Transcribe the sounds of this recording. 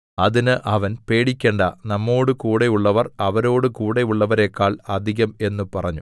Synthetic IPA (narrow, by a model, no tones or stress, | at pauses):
ɐðinɨʔɐʋɐnpe̞ːɽikʲːe̞ːɳɖɐnɐmːo̞ːɽɨkuːɽe̞uɭːɐʋɐrɐʋɐɾo̞ːɽɨkuːɽe̞uɭːɐʋɐɾe̞kːaːɭɐd̪ʱiɣɐme̞nːupɐrɐɲːu